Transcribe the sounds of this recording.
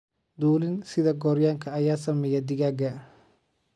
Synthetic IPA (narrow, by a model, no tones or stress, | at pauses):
d̪uːlɪnsɪðɐɡɔːɾjaːŋkʰɐɐjaːsɐmɛjɐd̪ɪɣaːɡɐ